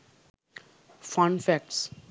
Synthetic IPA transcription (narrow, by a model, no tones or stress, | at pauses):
fɔ̃ɳɖfæk̚ʈs